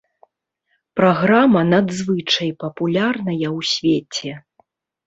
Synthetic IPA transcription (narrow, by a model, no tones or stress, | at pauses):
pɾaɣɾamɐnad̪zvɨt͡ʂɐjpɐpulʲarnɐjɐwsʲvʲet͡sʲɛ